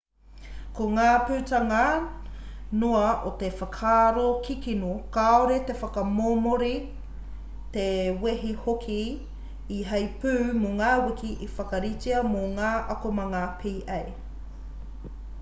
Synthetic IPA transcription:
koŋaːpʉːtaŋɐ | noɐʔot̪efɐkʰaːɾokikinokaoɾet̪efɐkɐmoːmoɾi | t̪eweɦihokʰiː | ɦɐjpʉːmoŋaːwikiʔifɐkɐɾit͡siɐmoŋaːʔɐkomɐŋapʰiːʔɛj

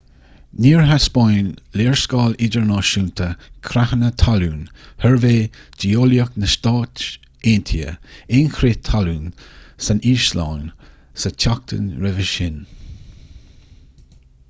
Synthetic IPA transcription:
niːɹɦaspɔjnleːɹskɑːlid͡ʒəɹnɑːʃuːnt̪ʰəkʰɾahənət̪ʰaluːnhɛɹveːd͡ʒioːljəknəʃt̪ɑːt | eːnt̪ʰiə̰ɪnkʰɾet̪ʰːaluːnsaniːʃla̰ːn | sətʰak̚t̪ʰə̰nɾɛvəʃɪn

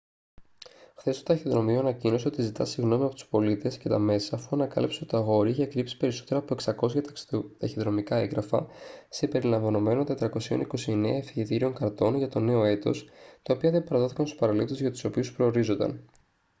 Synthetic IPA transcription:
xθe̞st̪ot̪ɐçiðɾo̞mioɐnɐcino̞seo̞t̪izit̪ɐ̰siɣno̞miɐpo̞t̪u̥spo̞lit̪e̞sce̞t̪ɐme̞sɐːfuɐnɐkɐ̰lipseot̪it̪ɐɣo̞ɾiiçekɾipsi̥pe̞ɾiso̞̥t̪e̞ɾoɐːpoeksɐko̞sçɐt̪t̪ɐçiðɾo̞mikɐeŋɡɾɐfɐ̰sebe̞ɾilɐɱvɐno̞me̞no̞nt̪e̞t̪ɾɐko̞sio̞̰niko̞sie̞neɐefiçit̪iɾio̞ŋkɐɾt̪o̞nʝɐt̪o̞ne̞o̞e̞t̪o̞st̪ɐo̞piɐðe̞bɐɾɐðo̞θikɐnst̪uspɐɾɐlip̚t̪uzʝɐt̪u̥so̞piuspɾo̞ːɾizo̞nd̪ɐ̰n

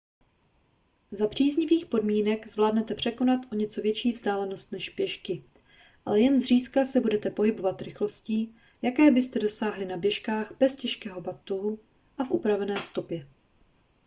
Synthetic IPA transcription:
zapr̝̥iːzɲɪviːxpo̞dmiːnɛkzvlaːdnɛt̪ɛpr̝̥ɛko̞nat̪ʔo̞ɲɛt͡so̞vjɛt͡ʃiːvzdaːlɛno̞st̪nɛʃpjɛʃkɪ | ʔa̰lɛjɛnzr̝iːskasɛbudɛt̪ɛpo̞ɦɪbo̞vat̪ɾɪxlo̞sciː | jakɛːbɪst̪ɛdo̞saːɦlɪnabjɛʃkaːxbɛscɛʃkɛːɦo̞bat̪oɦu | ʔafʔupɾavɛnɛːst̪o̞pjɛ

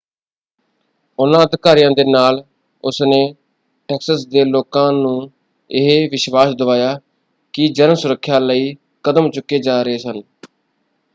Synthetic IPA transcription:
ʊnãːəd̪ɪkaːɾijãːd̪eːnaːl | ʊsneː | ʈɛːksəsd̪eːloːkãːnũː | ɪɦeʋɪʃʋaːsd̪əʋaːjaː | kɪd͡ʒəɾmsʊɾəkʰːjaːləiː | kəd̪əmt͡ʃʊkːeːd͡ʒaːɾəeːsən

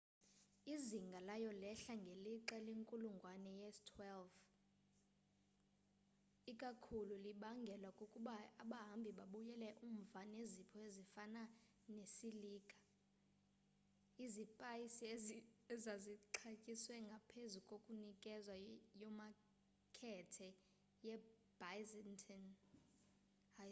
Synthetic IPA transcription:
iziŋɡʱalajɔlɛɬaŋɡʱeliǁɛleŋkʼuluŋɡʱwanɛjɛstʰwɛlv | ikʼakʰululiɓaŋɡʱɛlwakʼukʼuɓaːɓaɦambʱiɓaɓujɛlɛʔum̩vanezipʰɔezifana | nesiliːɡ̥ʱḁ | izipʼajisiɛzaziǃʰakʼiswɛŋɡʱapʰezukʼokʼunikʼɛzwajɔma | kʰɛtʰɛ | jɛ | b̥ajzɛntʰɛn

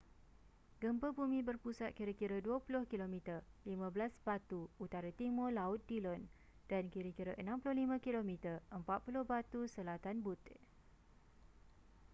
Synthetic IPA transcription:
ɡəmpəbumĩbərpusat̪̚kiɾəkiɾəduəpulʊhkilomĩt̪ərlimãbəlasbat̪uut̪aɾat̪imolaʊt̪̚dilɔn | d̥ankiɾəkiɾəʔənãmpulʊhlimãkilomĩt̪ərəmpat̪̚pulʊhbat̪usəlat̪anbut̪

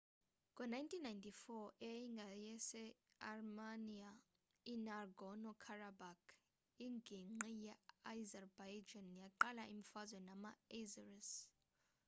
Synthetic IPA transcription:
kʼɔnajntʰinːajntʰʼifɔʔɛjiŋɡʱajɛsɛarmania | inarɡɔnɔkʰarabakʰ | iŋɡʱiŋ͡ǃijaajzɛrbajd͡ʒanjaǃalaʔimifazwɛnamaezaris

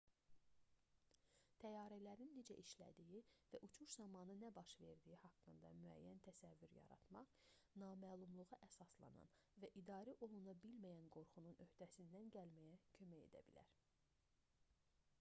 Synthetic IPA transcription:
t̪ʰæjɑːɾælæɾinːed͡ʒæʔiʃlæ̰d̪ijivæʔut͡ʃʰuʃzɑmɑnɯnæbɑʃve̞ɾd̪ijihɑkːɯnd̪ɑmyæ̰jːænt̪ʰæsævːyɾjɑ̰ɾɑ̰t̪mɑʁnɑːmæːlˠumlˠuʁɑʔæsɑslˠɑ̰nɑ̰nvæʔid̪ɑːɾiʔo̞lˠunɑbilmæjænɡo̞ɾχununʔø̞hd̪̥æsind̪ænɟælmæjæcʰømæje̞̰d̪æ̰bḭlæ̰ɾ

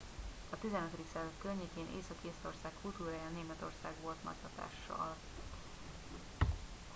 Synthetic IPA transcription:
ɒt̪izɛnøt̪ɾd̪iksɛlzøkkːørɲeːkeːnʔḛːsɒkeːso̞rsaːkkːult̪uːɾaːjaneːmɛt̪o̞̰rsaːɡʋo̞lt̪mɒ̰t̪sɒt̪a̰ːʃːɒ̰l

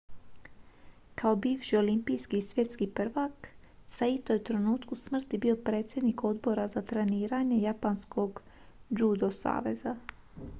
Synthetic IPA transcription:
kao̞biːʋʃio̞limpijskisʋje̞t̪skipr̩ʋak | sait̪ojut̪ɾe̞nuːt̪kusmr̩t̪ibiːo̞pɾe̞ːt̪sje̞d̪niko̞d̪bo̞ɾazat̪ɾe̞niːɾaɲe̞japanskʰo̞ɡ | d͡ʒud̪o̞sa̰ːʋe̞za

